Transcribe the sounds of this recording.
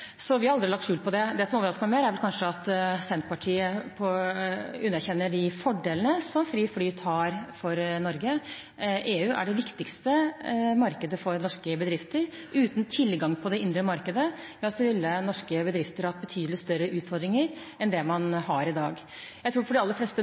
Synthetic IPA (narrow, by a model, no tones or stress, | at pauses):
sɔʋɪhɑɾɑld̪ɾɪlɑk̚t̪ʂʉːlpʰɔd̪ɛd̪ɛsɔmoːʋəɾɑskəmɛmeːɾæɾʋɛlkʰɑnʂəɑt̪sɛnt̪̚pɑʈʰiːəpʰɔ | ʉnːæɾçɛnːəɖɪfɔɖeːlənəsɔmfɾiːflyːt̪ʰhɑːɾfɔɾnɔɾɡə | ʔeːʉːʔæ̰ɖɛʋɪkt̪ɪkst̪əmɑɾkəd̪əfɔɾnɔʂkəbəd̪ɾɪft̪əɾ | ʔʉːt̪nt̪ʰɪlɡɑŋːpʰɔd̪ɛɪnd̪ɾəmɑɾkəd̪əjɑsɔʋɪlːənɔʂkəbəd̪ɾɪft̪əɾhɑhɑt̪bət̪ʰyːd̪əlɪst̪œɾːəʔʉːt̪fɔɾd̪ɾɪŋəɾ | ɛnd̪ɛmɑnɦɑɾɪd̪ɑːɡ | jæɪt̪ʰɾuːfɔɖɛɑlːəɾflɛst̪ə